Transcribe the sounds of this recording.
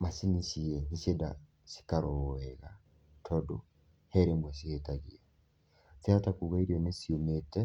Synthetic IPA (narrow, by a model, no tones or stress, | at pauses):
masiniʃiɛniʃeda̰ | si̥kaɾoɛɣa | tʰɔdo | hɛɾemwɛɕ̬ihetaɣia | sɛatakuɣaiɾɛnesiometɛ